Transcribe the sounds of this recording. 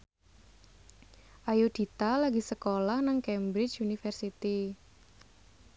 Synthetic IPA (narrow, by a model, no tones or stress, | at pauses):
ʔajud̪̥i̤t̪alaɡi̤səkolahnaŋkɛmbɾɪt͡ʃunifərsit̪i